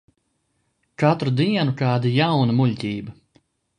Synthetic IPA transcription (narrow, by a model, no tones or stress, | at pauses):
kat̪ɾud̪iɛnukaːd̪ajawnɐmuʎʲt̪ʲiːbɐ